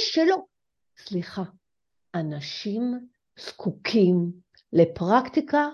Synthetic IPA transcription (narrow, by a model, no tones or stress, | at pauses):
ʃelo̞ | sliχa | anaʃim | z̥kʰukʰim | lepʁakt̪ika